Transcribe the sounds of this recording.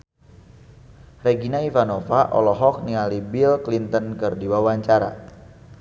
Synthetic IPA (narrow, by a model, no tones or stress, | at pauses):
reɡinaivanofaʔɔ̰lɔɦɔk̚niŋalibilklint̪ənkɨrdiwawaɲt͡ʃaɾa̰